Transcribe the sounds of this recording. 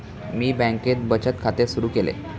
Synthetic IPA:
miːbæ̃ŋket̪̚bət͡ɕət̪kʰat̪esuɾuːkelḛ

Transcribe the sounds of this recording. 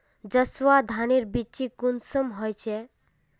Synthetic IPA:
d͡ʒəswad̪ʱaniɾbit͡ʃikunsəmɦɔjt͡ʃʰe

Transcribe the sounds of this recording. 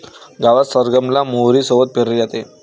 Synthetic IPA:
ɡaʋasəɾɡəmlamoɾiːsəbət̪̚peɾed͡ʑat̪e

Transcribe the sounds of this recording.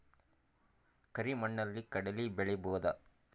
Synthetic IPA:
kɐɾimɐɳːɐlːikɐɽɐlibɛɭɛboːd̪ɐ̰

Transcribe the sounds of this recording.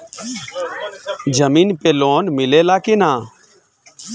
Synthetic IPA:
d͡ʒəmiːnpeːloːnmɪleːlaːkeːnãː

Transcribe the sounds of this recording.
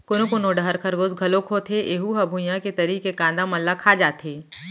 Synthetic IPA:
kʊnokʊnoɖɐɦɐɾkʰɐɾɡozɡʱɐlokʰoːt̪ʰeʔeːɦuɦɐbʱujãket̪ɐɾiːkekãːnd̪amɐlːakʰaːd͡ʒaːt̪eː

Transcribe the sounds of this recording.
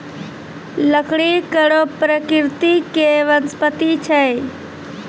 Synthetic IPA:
ləkʰɽikəɾopɾəkɪɾt̪ikeʋənspət̪it͡ʃʰej

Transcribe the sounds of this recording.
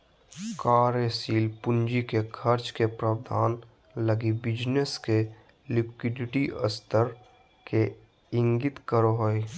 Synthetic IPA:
kaːɾesiːlpʊnd͡ʒikekʰəɾt͡ʃkepɾaːwd̪ʱaːn | ləɡibɪd͡ʒneske | lɪkwɪɖɪʈiə̰st̪ʰəɾ | ke | ɪ̃ŋɡɪt̪kəɾoɦoi

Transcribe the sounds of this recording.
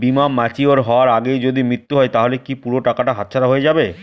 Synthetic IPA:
bimamːat͡ɕioɾɦɔoaɾaɡejd͡ʑod̪imɾit̪ːuɦɔet̪aɦolekipuɾoʈakaʈaɦat̪ːɕʰaɾaɦoed͡ʑabe

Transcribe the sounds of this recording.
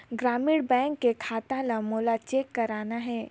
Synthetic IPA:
ɡɾaːmiːɽbɛ̃ːŋkːekʰaːt̪ãlamoːlat͡ʃeːkːɐɾaːnaɦɛː

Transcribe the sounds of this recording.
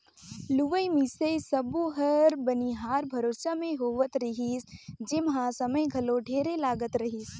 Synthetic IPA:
luʋəjmisesɐbuɦəɾbəniɦaːɾbʱɐɾoːsamẽɦoːʋət̪ɾɐɦisd͡ʒɪmɦãsɐməjɡʱɐloɖʱeːɾelaːɡət̪ɾɐɦiːs

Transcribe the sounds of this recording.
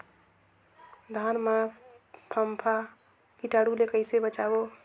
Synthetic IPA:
d̪ʱanmã | pʰəmpʰa | kiʈaɽulekəɪsebət͡ʃabo

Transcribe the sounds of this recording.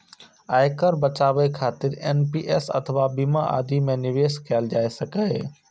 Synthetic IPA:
aːɪkəɾbɐt͡ʃaːʋekʰaːt̪ɪɾeːnpiːʔeːsɐ̰t̪ʰəʋabimaʔa̰ːd̪ʱimẽnɪʋeːskʰɪjald͡ʒaːesɐkaɦeː

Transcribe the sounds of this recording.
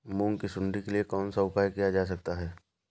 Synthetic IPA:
mũːŋkisʊ̃ɳɖikeliekɔːnsaʊpaːjkijad͡ʒaːs̬ɐk̚t̪aɦɛː

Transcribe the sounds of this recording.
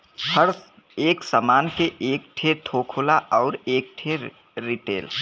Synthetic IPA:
həɾ | eːksamaːnkeʔeːk̚ʈʰet̪ʰoːkʰoːlaʔɔːɾeːk̚ʈʰe | ɾiʈḛːl

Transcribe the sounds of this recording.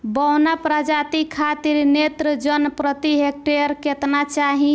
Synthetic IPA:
bɔnapɾad͡ʒat̪ikʰat̪iɾnet̪ɾəd͡ʒənpɾət̪iɦek̚ʈeɾket̪nat͡ʃaɦĩ

